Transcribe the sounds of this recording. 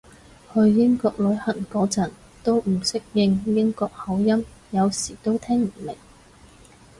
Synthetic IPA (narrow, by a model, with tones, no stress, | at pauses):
hɵ˧ɥjɪ˥ŋkɔː˧k̚lɵ˨˧˥ɥhɐ˨˩nkɔː˨˥t͡sɐ˨˩n | t̪o˥wm̩˨˩sɪ˥k̚jɪ˧ŋjɪ˥ŋkɔː˧k̚hɐ˨˧˥wjɐ˥mjɐ˨˧wsiː˨˩t̪o˥wt̪ʰɛː˥ŋm̩˨˩me˨˩ŋ